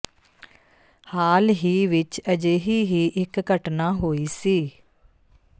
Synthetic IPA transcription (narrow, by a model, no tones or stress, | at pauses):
haːlɦiːʋɪt͡ʃəd͡ʒeːɦiːɦiːʔɪkɡəʈnaːɦoːiːsiː